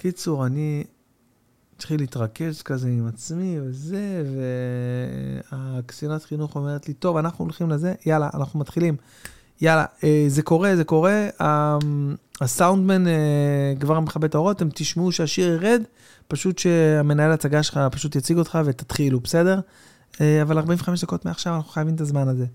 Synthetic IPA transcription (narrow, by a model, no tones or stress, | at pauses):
kit͡suʁani | t̪χilit̪ʁake̞ʃkazeimat͡smiveze̞vḛ | akt͡sijonat̪χinuχo̞me̞ʁet̪lit̪o̞vanaχnuolχimleze̞jalaʔa̰naχnumat̪χilim | jala̰eze̞ko̞ʁeze̞ko̞ʁe̞a | asawnd̪menekvaʁmeχabe̞t̪aoʁo̞t̪e̞mt̪iʃmeuʃeaʃiʁeʁe̞d̪ | paʃut̪ʃe̞ame̞naelat͡saɡaʃelχapaʃut̪jat͡siɡo̞t̪χave̞t̪ḁt̪χilubese̞de̞ʁ | eavalaʁbaĩɱveχameʃd̪ako̞t̪meaχʃavanaχu̥χajavimt̪azmanaze